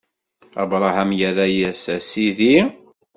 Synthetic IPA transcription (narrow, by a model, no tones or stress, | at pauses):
æ̰vɾˤɑhamjəɾæjæsæsiði